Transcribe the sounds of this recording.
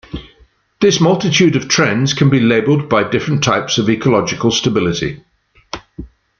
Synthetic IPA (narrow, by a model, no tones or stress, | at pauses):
ðɪsmʌlˠtɪtʰʉːdəv̥tʰɹ̥ɛ̃nz̥kʰə̃nbileɪbəlˠd̚baɪdɪfɹə̃ntʰaɪpsəviːˑkʰəlɒd͡ʒɪkəlˠstəbɪlɪtḭ